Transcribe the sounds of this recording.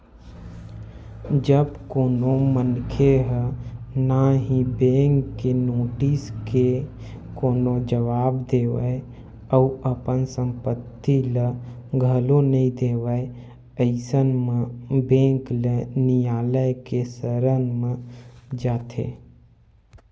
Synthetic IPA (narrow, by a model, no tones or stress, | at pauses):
d͡ʒəbkoːnomənkʰeɦənaɦibẽːŋkːenoːʈiske | koːnod͡ʒəʋaːbd̪eːʋə̰e | əuəpənsə̃mpət̪ːilə | ɡʱəlonəĩd̪eːʋəe | əɪsənmə̃bẽːŋklenijaːləjkesəɾənmẽd͡ʒaːt̪ʰḛ